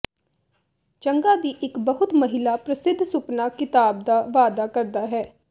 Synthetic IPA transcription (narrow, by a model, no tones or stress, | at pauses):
t͡ʃəŋɡaːd̪iːʔɪkbəɦʊt̪məɦɪlaːpɾəsɪd̪ʱːsʊpnaːkɪt̪aːb̚d̪aːʋaːd̪aːkəɾd̪aːɦɛː